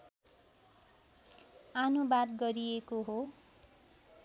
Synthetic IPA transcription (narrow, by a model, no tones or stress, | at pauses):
anubad̪ɡʌɾiekoɦo